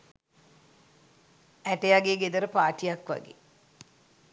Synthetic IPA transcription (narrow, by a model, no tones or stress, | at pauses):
æʈejaɡeːɡed̪əɾəpaːʈijakʋa̰ɡḛː